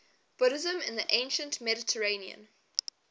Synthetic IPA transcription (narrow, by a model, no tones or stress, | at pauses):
b̥ʊɾɪzə̃mɪ̰̃nðiʔẽɪ̃nʃə̃ntmɛɾɪtʰəɹẽɪ̃niə̰̃n